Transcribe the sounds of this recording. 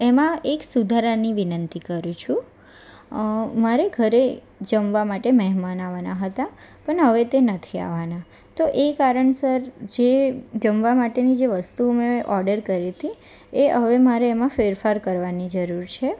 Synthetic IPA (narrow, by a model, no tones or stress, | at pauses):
emãeksud̪ʱaɾaniʋinənt̪ikəɾũt͡ʃʰu | maɾeɡʱəɾe | d͡ʒəmʋamaʈemɛɦmanaʋanaɦət̪a | pəɳɦəʋet̪enət̪ʰia̰ʋana | t̪oʔekaɾəɳsəɾd͡ʒed͡ʒəmʋamaʈenid͡ʒeʋəst̪umẽʔɔɾɖəɾkəɾit̪ʰi | eəʋemaɾeːmãfeɾfaɾkəɾʋanid͡ʒəɾuɾt͡ʃʰe